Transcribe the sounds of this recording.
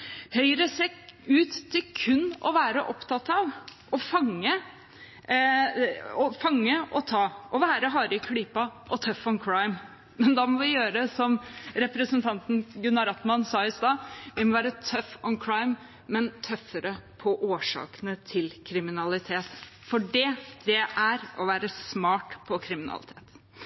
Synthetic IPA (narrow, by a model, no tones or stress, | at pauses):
hœʏɾəseːʉːt̪t̪ʰːɪlkʰʉnːɔ̰ʋæːɾəʔɔpt̪ɑt̪ɑʋʔɔfɑŋːə | ɔfɑŋːəʔɔt̪ʰɑːʔɔʋæːɾəɦɑːɾəkʰɽiːpɑʔɔt̪ʰœfɔnkʰɹɑɪm | mɛnd̪ɑmɔʋɪjøːɾəsɔmɾɛpɾəsənt̪ʰɑnt̪nɡʉnːɑɾɑt̪mɑnsɑːɪst̪ɑːʋɪmɔʋæːɾət̪ʰœfɔnkʰɹɑɪmː | ɛnt̪ʰœfəɾəpʰɔʔoːʂɑ̰ːkənət̪ʰɪlkʰɾɪmɪnɑlɪt̪ʰeːt̪fɔɖɛd̪̥ɛʔæɾʔɔʋæːɾəsmɑːʈpʰɔkʰɾɪmɪnɑ̰lɪ̰t̪ʰḛːt̪